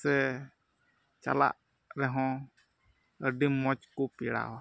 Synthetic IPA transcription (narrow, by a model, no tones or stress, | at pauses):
sɛ | t͡ʃa̰la̰ʔ | ɾɛɦɔ̃ | əɖimːɔt͡ʃkupiɽa̰wa